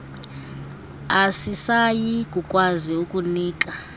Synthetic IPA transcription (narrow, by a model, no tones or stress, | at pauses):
asisajikʼukʼwaziukʼuniːkʼa